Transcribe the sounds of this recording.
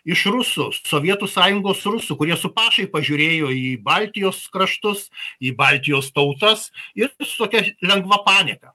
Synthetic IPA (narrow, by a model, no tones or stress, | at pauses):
ɪʃrʊsʊsoːʋʲiɛt̪usɑːjʊŋɡoːsrʊsʊkʊɾʲiɛsʊpɑːʃɐɪpɐʒʲʊɾʲeːjoːiːbɑlʲt̪ʲɪjoːskɾɐʃt̪ʊsiːbɑlʲt̪ʲɪjoːst̪ɐʊt̪ɐsɪt̪oːkʲɛlʲɛŋɡʋɐpɑːnʲɪkɐ